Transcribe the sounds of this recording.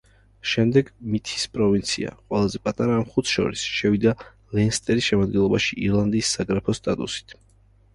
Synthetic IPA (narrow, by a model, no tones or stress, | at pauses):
ʃɛmd̪ɛɡmit̪ʰi̥spʼɾɔvint̪sʰḭa̰qʼwɛlˠazɛpʼat̪ʼaɾaːmχut̪ʰʃɔ̰ɾisʃɛvid̪a | lɛnst̪ʼɛɾisʃɛmad̪̚ɡɛnlˠɔbaʃiiɾlˠand̪isːaɡɾɛpʰɔst̪ʼat̪ʼṵsi̥t̪ʰ